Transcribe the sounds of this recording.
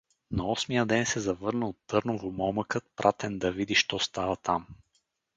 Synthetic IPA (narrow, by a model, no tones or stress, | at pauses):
nɐɔsmiəd̪ɛnsɛzɐvɤɾnəot̪ːɤɾnovomɔməkət̪̚pɾʔat̪ɛnd̪ɐvid̪iʃt̪ɔst̪avɐt̪am